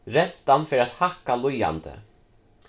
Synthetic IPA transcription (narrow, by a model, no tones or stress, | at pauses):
ɾɛnt̪ːanfɪɾɪat̪hahkaluja̰nt̪ɪ̰